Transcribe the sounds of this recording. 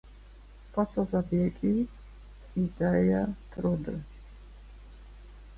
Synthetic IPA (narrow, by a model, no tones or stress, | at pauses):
pʰʼat͡s̪ʰʼazabjɛkʼi | id̪ajat̪ʰʼɾɔd̪ə